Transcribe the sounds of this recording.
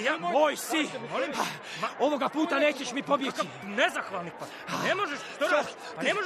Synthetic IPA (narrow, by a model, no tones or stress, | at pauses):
ojsimolimpa | o̞ʋo̞ɡapuːt̪ane̞ːt͡ɕeʃmipo̞bjet͡ɕi | nezaxʋaːlˠnik̚pa | nemoʒeʃt̪oo | panemoʒ